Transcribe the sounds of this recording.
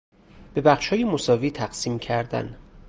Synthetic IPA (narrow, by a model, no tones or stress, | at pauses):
b̥e̞bæχʃhɒːjemosɒːviːt̪ʰæɢ̥siːmcʰæɾd̪æ̰n